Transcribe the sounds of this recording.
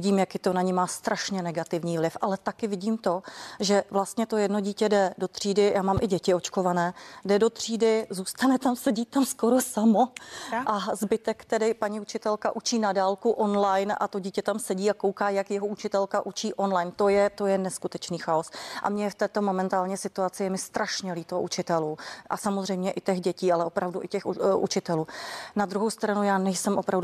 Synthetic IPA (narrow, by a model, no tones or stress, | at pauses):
ɪɟiːmjakɪt̪onaɲimaːst̪ɾʔaʃɲɛnɛɡat̪ɪvɲiːvlɪfʔalɛt̪akɪvɪɟiːmt̪o̞ʒɛvlast̪ɲɛt̪o̞jɛdno̞ɟiːcɛdɛdo̞t̪r̝̥iːdɪjaːmaːmʔɪɟɛcɪo̞t͡ʃko̞vanɛːdɛdo̞t̪r̝̥iːdɪzuːst̪anɛt̪amsɛɟiːt̪ːamsko̞ɾosamoʔazbɪt̪ɛkt̪ɛdɪpaɲiut͡ʃɪt̪ɛlkaʔut͡ʃiːnadaːlkuʔo̞nlajnʔa̰t̪o̞ɟiːcɛt̪amsɛɟiːako̞wkaːjakjɛɦout͡ʃɪt̪ɛlkaʔut͡ʃiːʔo̞nlajnt̪ojɛt̪o̞jɛnɛskut̪ɛt͡ʃniːxaosʔa̰mɲɛft̪ɛːt̪o̞mo̞mɛnt̪aːlɲɛsɪt̪uat͡sɪjɛmɪst̪ɾʔaʃɲɛliːt̪ooʔut͡ʃɪt̪ɛluːʔa̰samozr̝ɛjmɲɛʔɪt̪ɛxɟɛciːalɛopɾavduʔɪcɛxʔṵt͡ʃɪt̪ɛluːnad̪ɾuɦowst̪ɾanujaːnɛjsɛmʔo̞pɾav